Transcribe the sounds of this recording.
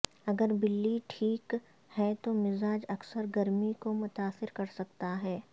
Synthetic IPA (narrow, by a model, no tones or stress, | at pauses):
ɐɡəɾbɪlːiʈʰiːk | hɛt̪omɪzaːd͡ʒɐksəɾɡɐɾmikomʊt̪aːsɪɾkɐɾsɐkt̪aɦɛː